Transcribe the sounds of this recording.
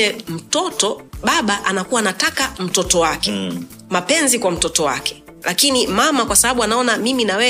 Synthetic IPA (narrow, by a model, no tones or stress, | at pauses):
ɛm̩tɔtɔɓaɓaʔanakuwaːnatakam̩tɔtɔwakɛ | mapɛnzikwam̩tɔtɔwa̰kɛ̥ | lʔakinimamakwasaɓaɓuanaɔnamiminawɛ